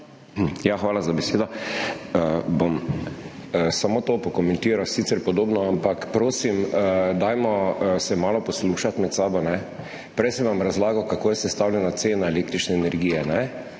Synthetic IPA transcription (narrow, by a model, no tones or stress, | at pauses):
m̩jaxʋaːlazabɛseːd̪ɔ | əbom | əsamot̪opɔkɔmɛ̃nt̪iːɾawsit̪sɛɾpɔd̪oːbnɔampakpɾoːsiməd̪ajmɔsɛmaːlɔpɔsluːʃat̪mɛt̪saːbɔnɛ | pɾɛjsɛʋamɾazlaːɡawkakoːjɛsɛst̪awlʲɛnat̪seːnaeleːkt̪ɾit͡ʃnɛːnɛɾɡiːjɛnɛ